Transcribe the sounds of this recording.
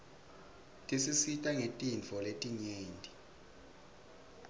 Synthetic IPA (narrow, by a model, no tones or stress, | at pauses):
tʼisisitʼaŋetʼint͡fɔletʼiɲeːntʼi